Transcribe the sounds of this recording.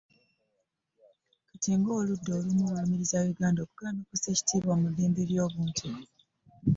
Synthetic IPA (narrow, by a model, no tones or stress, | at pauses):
katʰiːŋɡoːludːo̞ːlumuβamiɾizawiɡaːndo̞kuɡalanokuseci̥tiːβoːmuðiːmbiɾjo̞ːβuːntʰi